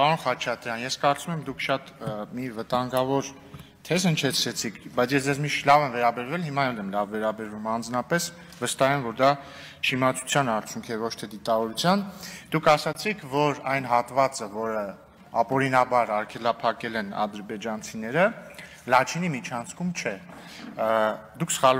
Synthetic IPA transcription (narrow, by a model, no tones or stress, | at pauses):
pɑɾunχɑt͡ʃʰɑt̪ɾjɑnjɛskɑɾt͡sumɛmd̪ukʰʃɑt̪mivət̪ɑŋɡɑvɔɾ | t̪ʰɛzhənt͡ʃʰɛt͡sʰɾɛt͡sʰikʰbɑjt͡sʰjɛsd͡zɛzmiʃt̪ʰlɑvɛmvɛɾɑbɛɾvɛlhimɑɛlɛmlɑvːɛɾɑbɛɾvumɑnd͡znɑpɛs | vəst̪ɑɦɛmvɔɾd̪ɑ | ʃʰimɑt͡sʰu̥t͡sʰjɑnɑɾt͡sʰjuŋkʰɛvɔt͡ʃʰt̪ʰɛd̪it̪ɑvɔɾut͡sʰjɑnd̪̥ukʰɑsɑt͡sʰikʰvɔɾɑjnɦɑt̪vɑt͡səvɔɾə | ɑpɔɾinɑbɑɾɑɾkʰɛlɑpʰɑkɛlɛnɑ̰d̪əɾbɛd͡ʒɑnt͡sʰinɛɾə | lɑt͡ʃʰinimit͡ʃʰɑnt͡sʰkʰumt͡ʃʰɛ | d̪ukʰsə̥χɑl